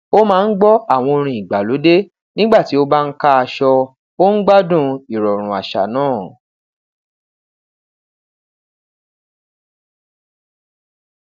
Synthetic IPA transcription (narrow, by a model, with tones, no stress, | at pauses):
o˦mãː˦˧n̩˦ɡ͡bɔ˦a˦˨w̃ɔ̃˧o˧ɾ̃ĩ˧˨i˨ɡ͡ba˨lo˨˦de˦ | nĩ˦ɡ͡ba˦˨ti˨˦o˦ba˦n̩˦ka˦a˧ʃɔ˧ | o˦n̩˦ɡ͡ba˦dũ˦˨i˨ɾɔ˨ɾ̃ũ˨a̰˨ʃa̰˨nãː˦˨